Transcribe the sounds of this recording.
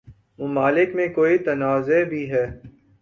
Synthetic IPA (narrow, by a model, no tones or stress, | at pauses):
mʊmaːlɪkmẽkoːit̪ɐnaːzebʱiɦɛː